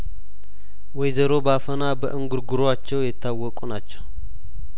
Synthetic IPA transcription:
wɔjzəɾo̞bafənabə̰ʔɨŋɡuɾɡuɾoat͡ʃːɛwjɛt̪ʰːawːɔkʼunat͡ʃːɛw

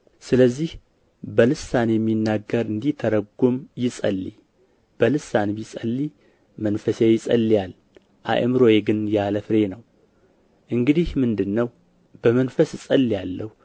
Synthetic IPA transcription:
sɨləzːih | bəlɨsːanjɛmːinːaɡəɾɨnd̪it̪ʰəɾəɡumjɪsʼə̰lːi | b̥əlɨsːanbisʼəlːi | mənfəsejɪsʼə̰lːijal | ʔa̰ʔə̰mɾojeɡɨnjaləfɨɾe̞nəw | ʔɨŋɡɨd̪ihmɨnd̪ɨnːəw | b̥əmənfəssʼəlːijalːəhu

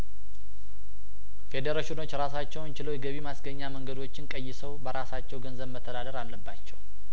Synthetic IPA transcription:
fe̞d̪eɾəʃɪno̞t͡ʃːɾasat͡ʃːɛwnt͡ʃɪləwjɛɡəβimasɡəɲːaməŋɡəd̪o̞t͡ʃːɪnkʼəjːɪsəwbəɾasat͡ʃːɛwɡənzəβmət̪ʰːəd̪ad̪əɾalːəbːat͡ʃːɛw

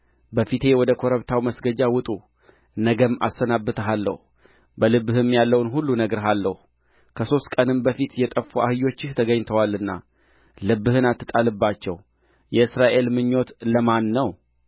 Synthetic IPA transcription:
bəfit̪ʰe̞wɔd̪əkʰo̞ɾəβt̪ʰawməsɡəd͡ʒawɨt̪ʼu | nəɡəmːa̰sːənabːɨt̪ʰəɦalːə̰h | bəlɨbːɨhɨmjalːəwnɦulːunəɡɾɦalːəhu | kʰəso̞st̪kʼənɨmbəfit̪jɛt̪ʼəfːuʔa̰hɨjo̞t͡ʃːɪht̪ʰəɡəɲt̪ʰəwalːɨnːa̰ | lɨbːɨhɨnat̪ːɨt̪ʼalɨbːat͡ʃːɛ̰w | jɛɨsɾaʔe̞lmɨɲːo̞t̪ləmanːəw

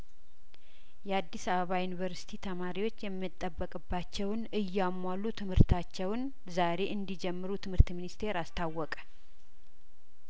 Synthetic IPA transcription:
jɛad̪ːisəβəβajunivəɾsi̥t̪ʰit̪ʰəmaɾiwo̞t͡ʃːjɛmːɨt̪ʼːəbːəkʼɨbːat͡ʃːɛwnɨjːamːwalːut̪ʰɨmhɨɾt̪ʰat͡ʃːɛwn | zaɾe̞ʔɨnd̪id͡ʒɛmːɨɾut̪ʰɨmhɨɾt̪minist̪ʰe̞ɾast̪ʰawːɔkʼə̥

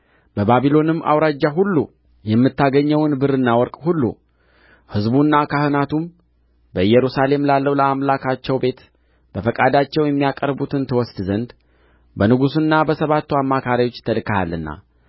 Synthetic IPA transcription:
b̥əbaβilo̞nɨmːʔa̰wɾad͡ʒːaɦulːṵ | jɛmːɨt̪ʰːaɡəɲːɛwnbɨɾɨnːawɔɾkʼhulːṵ | hɨzbunːakʰahɨnat̪um | bəɨjɛɾusale̞mlalːəwləamlakʰat͡ʃːɛwbe̞t̪ | b̥əfəkʼad̪at͡ʃːɛwjɛmːijakʼəɾbut̪ʰɨnt̪ʰɨwɔsd̪zənd̪ | bənɨɡusɨnːabəsəβat̪ːuamːakʰaɾiwo̞t͡ʃːt̪ʰəlɨkaha̰lːɨnːa̰

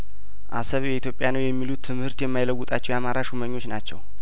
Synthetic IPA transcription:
ʔa̰səβjɛit̪ʰjo̞pʼjanəwjɛmːilut̪ʰːɨmhɨɾt̪jɛmːajləwːut̪ʼat͡ʃːɛwjamaɾaʃuməɲːo̞t͡ʃːnat͡ʃːɛ̰w

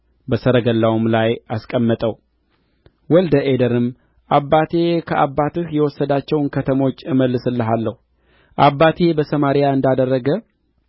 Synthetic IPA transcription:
bəsəɾəɡəlːawumlajaskʼəmːət̪ʼəw | wɔld̪əʔed̪əɾɨm | ʔabːat̪ʰe̞kʰəʔabːat̪ɨhjɛwɔsːəd̪at͡ʃːɛwnkʰət̪ʰəmo̞t͡ʃːɨməlːɨsɨlːəɦalːəhu | ʔabːat̪ʰe̞bəsəmaɾɪjaɨnd̪ad̪ərːəɡə

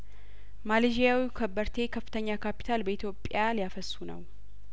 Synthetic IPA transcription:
maled͡ʒijawikʰəbːəɾt̪ʰe̞kʰəfːɨt̪ʰəɲːakʰapi̥t̪ʰalbəit̪ʰjo̞pʼːjalijafəsːunə̰w

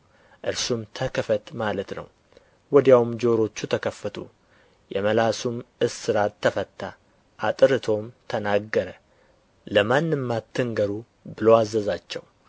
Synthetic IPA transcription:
ʔɨɾsumt̪ʰəkʰəfət̪malət̪nə̰w | wɔd̪jawmd͡ʒo̞ɾo̞t͡ʃːut̪ʰəkʰəfət̪ʰu | jɛməlasumʔɨsːɨɾat̪ʰːəfət̪ʰːa | ʔat̪ʼɨɾɨt̪ʰo̞mt̪ʰənaɡːəɾə | ləmanːɨmːat̪ʰːɨŋɡəɾu | bɨloazːəzat͡ʃːɛw

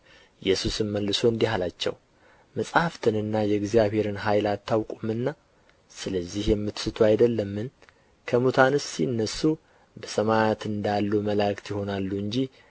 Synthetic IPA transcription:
jɛsusɨnməlːɨsoɨnd̪iɦalat͡ʃːɛ̰w | məsʼhaft̪ʰɨnɨnːajɛɡzjaβhe̞ɾɨnɦajlat̪ʰːawkʼumɨnːa | sɨləzːihjɛmːɨt̪sɨt̪ʰoajd̪əlːəmːɨn | kʰəmut̪ʰanɨsiɨnːəsːu | bəsəmajat̪ɨnd̪alːuməlakt̪jɪho̞nalːuɨɲd͡ʒi

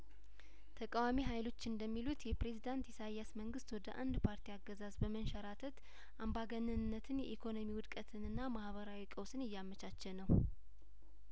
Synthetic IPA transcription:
t̪ʰəkʼawamiɦajlo̞t͡ʃːɨnd̪əmːilut̪jɛpɾe̞zid̪ant̪isajːasməŋɡɨst̪wɔd̪əʔa̰nd̪pʰaɾt̪ʰiaɡːəzazbəmənʃəɾat̪ʰət̪ | ʔambaɡənɨnɨnːət̪ʰɨnjɛ̰ʔikʰo̞no̞miwʊd̪kʼət̪ʰɨnɨnːamahβəɾawikʼəwsɨnɨjːamət͡ʃat͡ʃːɛnːəw

